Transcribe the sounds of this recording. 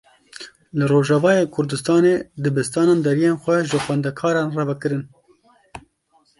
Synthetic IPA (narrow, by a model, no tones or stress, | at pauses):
lɨroːʒɑvɑːjeːkʰʊɾd̪ɨst̪ɑːneːd̪ɨbɨst̪ɑːnɑːnd̪ɛɾijeːnxʷɛʒɨxwɛnd̪ɛkʰɑːɾɑːnrɛvɛkɨɾɨn